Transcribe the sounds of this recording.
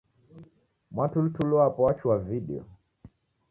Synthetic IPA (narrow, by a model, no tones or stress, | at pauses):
mwatulutulɔapɔat͡ʃuaviɗɛ̰ɔ̰